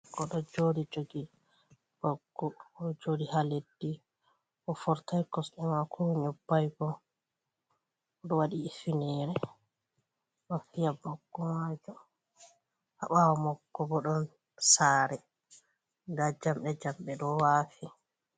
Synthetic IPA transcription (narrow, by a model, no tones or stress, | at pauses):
kɔɗɔd͡ʒodid͡ʒoɡi | b̥ɔɡːɔːd͡ʒodihaledːi | ʔɔfɔɾtajkɔsɗɛmakʰɔɲɔbːajɡɔ | ɗɔwaɗiːfinɛɾɛ | wafijabaɡːɔmad͡ʒɔ | ʔa̰ɓawɔmɔɡːɔbɔɗɔn | saːɾɛ | dad͡ʒamɗɛd͡ʒamɓɛɗɔwafi